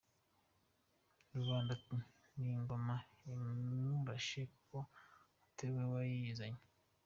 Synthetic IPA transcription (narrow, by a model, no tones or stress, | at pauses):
ɾuβaːndaiŋɡomaimuɾaʃeko | ateβwewajiizaɲe